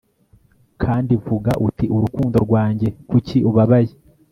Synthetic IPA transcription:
kʰaːndivuɡaʔutiʔuɾukuːndo̞ɾɡwaːɲɟe̞kuciʔuβaβaje

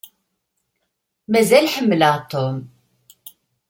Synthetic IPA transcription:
mæzɛlħəmːlaːt̪om

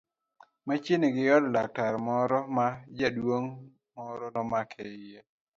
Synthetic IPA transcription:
mat͡ʃɪniɡɪjɔddak̚taɾmɔɾɔmad͡ʒadwoŋ | mɔɾɔnɔmakʰɛɪje

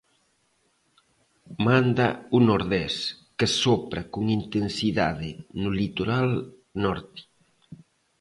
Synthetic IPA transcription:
mand̪aunoɾðɛskesopɾakuŋint̪ensiða̰ðenulit̪oɾal | nɔɾt̪i̥

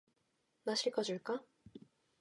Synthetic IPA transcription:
naɕʰiɭkʰʌd͡ʑuɭk͈a

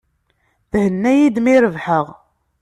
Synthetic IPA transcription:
θhənːæjid̪miɾəvħəʁ

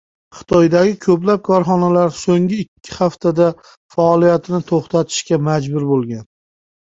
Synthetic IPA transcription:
χɨ̥t̪ʰɒjd̪aɡʲɪkʰɵplap̚kʰɒɾχɒnalaɾsoŋɪːkʲʰːɪ̥haft̪ʰad̪a | faːlijat̪ʰɪnɪt̪ʰoχt̪ʰat̪ʰɪ̥ʃkʲamad͡ʒbʊɾbolˠɡʲan

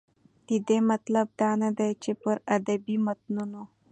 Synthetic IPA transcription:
t̪id̪emɐt̪ləb̚d̪anəd̪əjt͡ʃepəɾɐd̪əbimət̪̚nuno

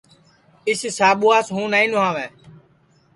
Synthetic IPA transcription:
ɪsɪsaːɓuaːsɦũːnaːĩːnʊɦãːʋɛ̃ː

